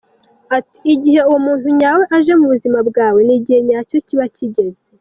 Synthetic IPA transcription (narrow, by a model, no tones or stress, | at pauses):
ati̥ːɟiɦe̞uwomuːntuɲawe̞ʔaʒe̞muβuzimabɡaːwe̞niɟihe̞ɲaːco̞ciβaciɟe̞ze